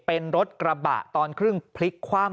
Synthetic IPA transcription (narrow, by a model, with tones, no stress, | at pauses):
pe˧nɾo˦˥t̪̚kɾa˧ba̰ː˨˩ʔt̪ɔː˧nkʰɾɯ˥˩ŋpʰli˦˥kʰːwaː˥˩m